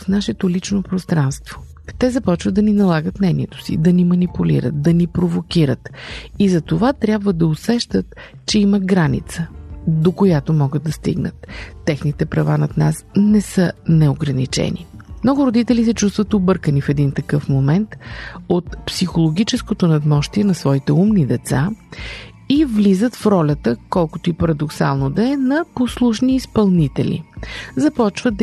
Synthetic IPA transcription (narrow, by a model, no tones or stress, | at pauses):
fnaʃɛt̪olit͡ʃnopɾost̪ɾanst̪v̥o̥ | t̪ɛzɐpɔt͡ʃvəd̪ɐninɐlˠaɡət̪nɛnʲiɛt̪o̥sḭd̪ɐnimɐnipulḭɾə̰t̪̚d̪ɐnipɾovokʲiɾət̪izɐt̪ovat̪ɾʲjabvəd̪ɐosɛʃt̪ət̪ | t͡ʃɛiməɡɾanḭt̪səd̪okojat̪omɔɡəd̪̚d̪ɐst̪ḭɡnə̰t̪ːɛxnit̪ɛpɾɐvanɐt̪nasnɛsənɛoɡɾɐnit͡ʃɛ̰nḭmnɔɡʊɾod̪it̪ɛlis̬ɛt͡ʃust̪vət̪obɤɾkənifɛd̪int̪ɐkɤfmomɛnt̪ot̪psixolˠoɡʲit͡ʃɛskot̪onɐd̪mɔʃt̪iɛnɐsvɔit̪ɛumnid̪ɛt̪sa | ivlizət̪fɾɔlʲət̪əkɔlˠkʊt̪oipɐɾɐd̪oksa̰lˠnod̪ɐɛnɐposlˠuʃniːspɐlˠnit̪ɛ̰lḭzɐpɔt͡ʃvət̪̚